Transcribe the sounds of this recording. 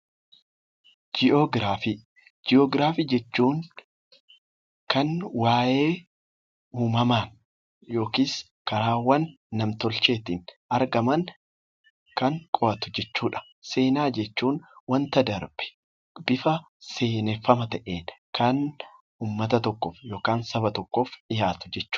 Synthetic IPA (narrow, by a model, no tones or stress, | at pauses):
d͡ʒɪɔɡɾaːfi | d͡ʒɪɔːɡɾaːfiːd͡ʒɛt͡ʃːuːn | kɐnwaːjeː | uːmɐmaːn | jo̞ːkiːs | kɐɾaːwɐnː | ɐmt̪ɔlt͡ʃe̞ːt̪ɪnʔɐɾɡɐmɐn | kɐŋkʼɔʔɐt̪ʊ̥d͡ʒɛt͡ʃːuːᶑɐ̥ | se̞ːnaːd͡ʒɛt͡ʃːuːnwɐnt̪ɐd̪ɐɾb̥ɛ̥ | bɪfɐ | se̞ːnɛfːɐmɐt̪ɐʔeːnkɐn | uːmːɐt̪ɐt̪ɔkːɔfjo̞ːkaːnsɐbɐt̪ɔkːoːfᶑɪjaːt̪ʊ̥d͡ʒɛt͡ʃːu̥ː